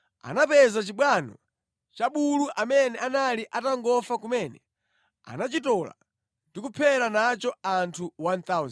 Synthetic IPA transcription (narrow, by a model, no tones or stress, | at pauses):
a̰napɛzat͡ʃiɓwanɔ̰ | t͡ʃaɓuluʔamɛnɛanaliʔataŋɡɔfakumɛnɛ | a̰nat͡ʃitɔla̰ | ndikupʰɛɾanat͡ʃɔantʰuwant̪auz